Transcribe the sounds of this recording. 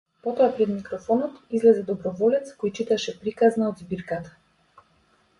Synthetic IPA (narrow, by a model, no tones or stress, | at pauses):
pɔt̪ɔapɾɛd̪mikɾɔfɔnɔt̪izlɛzɛd̪ɔbɾɔvɔlɛt̪skɔjt͡ʃit̪aʃɛpɾikaznaɔd̪zbiɾkat̪ḁ